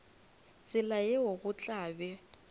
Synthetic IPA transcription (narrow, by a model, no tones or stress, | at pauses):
t͡sʼɪlaeoɣʊt͡ɬʼaːbɛ